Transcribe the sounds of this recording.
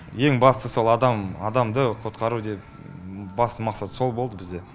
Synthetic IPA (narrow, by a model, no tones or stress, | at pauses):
je̞ŋbɑst̪əso̞lˠɑd̪ɑmɑd̪ɑmd̪əqʰo̞t̪qɑɾud̪e̞p | bɑst̪əmɑqsɑt̪so̞lˠbo̞lˠd̪əbɪzd̪e̞